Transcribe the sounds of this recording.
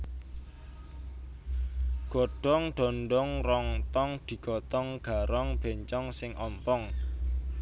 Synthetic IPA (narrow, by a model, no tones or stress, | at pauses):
ɡ̥ɔ̤ɖ̥ɔŋɖ̪̥ɔ̤nɖɔŋrɔŋt̪ɔŋd̪̥i̤ɡ̥ɔ̤t̪ɔŋɡ̥a̤ɾɔŋb̥e̤ɲt͡ʃɔŋsɪŋʔɔmpɔŋ